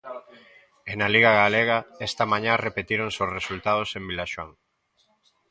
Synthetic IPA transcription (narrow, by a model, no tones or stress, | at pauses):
enaliɣaɣaleɣɐɛst̪ɐmãɲãrepet̪iɾoŋsosresult̪aðosembilaʃwaŋ